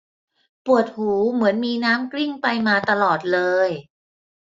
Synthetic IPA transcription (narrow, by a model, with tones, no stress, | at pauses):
pu˨˩ət̪̚huː˩˦mɯ˩˦ənmiː˧naː˦˥mkli˥˩ŋpa˧jmaː˧t̪a˧lɔː˨˩t̪̚lɤː˧j